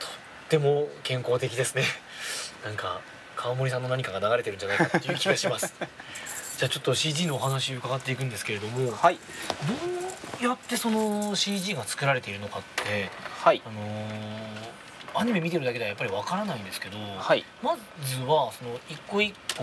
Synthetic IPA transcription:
t̪ʰo̥t̪ːe̞mo̞kẽ̞ŋko̞ːt̪e̞k̬ʲid̪e̞sɨne̞ | nãŋka̰ | kʰaβamo̞ɾʲis̬ãnːo̞naɲ̟ikaɡanaɡaɾe̞t̪eɾɯ̃ɲd͡ʑanaiakt̪oɯ̟kʲiɡaɕimasɨ̥ | d͡ʑaːt͡ɕo̞t̪ːo̞ɕiːd͡ʑiːno̞ːɦanaɕioɯ̟kaɡat̪ːe̞ik̬ɯ̟̃nd̪esɨ̥keɾe̞d̪o̞mo̞haid̪o̞ːjat̪ːe̞so̞no̞ɕiːʑiːɡat͡sɨ̥kɯ̟ɾaɾe̞t̪e̞iɾɯ̟nokat̪ːe̞haiano̞ | aɲ̟ime̞mʲit̪e̞ɾd̪aked̪eajapːaɾʲiβ̞akaɾanaĩnd̪e̞sɨ̥ke̞d̪o̞hai | ma | zɨβaso̞no̞ikːo̞ikːo

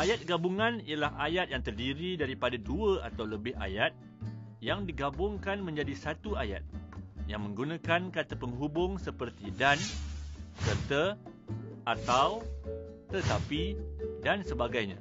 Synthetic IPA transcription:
ʔajat̪̚ɡabuŋãnijəlahajat̪̚jaŋt̪ərdiɾidaɾipadaduəa̰t̪awləbɪha̰jat̪̚ | jaŋdiɡabʊŋkanmə̃ɲd͡ʒadisat̪uaja̰t̪̚jaŋmə̃ŋɡunãkankat̪apəŋɦubʊŋsəpərt̪idan | kərt̪ə | at̪awt̪ət̪apidansəbaɡajɲa̰

